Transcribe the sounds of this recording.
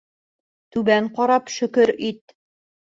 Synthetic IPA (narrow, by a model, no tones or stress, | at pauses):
t̪ʉbæɴqɒɾɑpʃɵ̆kɵɾit̪